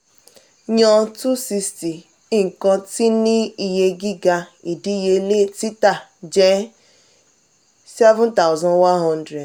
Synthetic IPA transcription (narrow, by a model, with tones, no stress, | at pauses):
ɲɔ˦tu˦si˧sti˨ | i˦ŋ̩˨kɔ˦ti˦ni˦i˨ɦe˦ɡi˦ɡa˨i˨di˦i˦je˦le˦˨ti˦ta˨d͡ʒɛ˦ | sɛ˦vʊ̃˦nta˨ʊ˨zɔ̃˦nwa˦nɦɔ˦n˦dɾe˨d